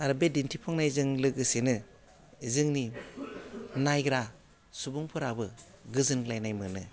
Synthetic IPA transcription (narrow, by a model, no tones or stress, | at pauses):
aɾɯbedintʰipʰɔŋnajzɯŋlɯɡɯsenɯ | zɯŋni | najɡɾa | subuŋpʰɯɾabɯ | ɡɯzɯnɡlajnajmɯnɯ